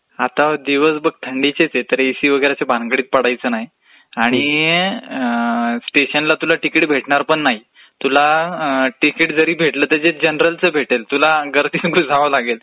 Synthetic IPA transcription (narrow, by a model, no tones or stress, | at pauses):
at̪ad̪iʋəsbəɡ̚t̪ʰəɳɖit͡ɕet͡set̪əɾesiːʋəɡəɾat͡ɕabʱãŋɡəɽiːt̪̚pəɽajt͡səːnaɦi | aɽ̃i | sʈeɕənlat̪ulaʈikiʈbʱeʈɳaɾpəɳːaɦi | t̪ulaʈikiːʈd͡zəɾiːbʱeʈləːt̪əd͡zed͡ʑənɾəlt͡səːbʱeʈelt̪ulaɡəɾt̪iːt͡sɡud͡zʱaʋəlaɡel